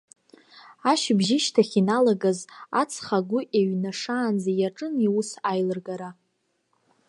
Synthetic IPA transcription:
aʃbʒɪʃtʰaχʲinalaɡaza̰t͡sʰχaɡʷʊʔeɥnaʂaːnd͡zajaʈ͡ʂʼɨniwusajlɨrɡaɾa

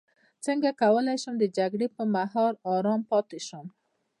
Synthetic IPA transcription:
t͡səŋɡakawəlajʃʊmd̪əd͡ʒaɡɽepəmaɦɔɾɑɾɑmpɑt̪ɪʃʊm

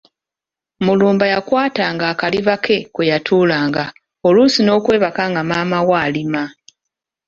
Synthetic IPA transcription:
muluːmbajakwaːtaːŋɡaːkaliβakʰe̞kwejatʰuːlaːŋɡa | o̞luːsino̞ːkwe̞ːβakaŋɡamaːmawaːlima

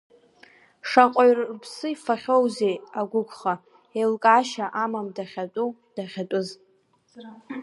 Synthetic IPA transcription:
ʂaqʷʼaɥrpʰsɨifaχʲowzejaɡʷʊkʷʰʼχa | elkʼaʃaʔamamdaχʲatʼu | d̥aχʲatʼʊz

